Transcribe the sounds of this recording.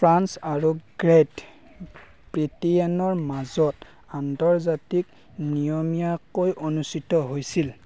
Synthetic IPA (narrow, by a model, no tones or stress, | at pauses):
pʰɹansaɹuɡ̥ɹet | bɹitianɔɹmazɔt | antɔɹzatik̚ | nijɔmijakojʔonustitɔɦojsil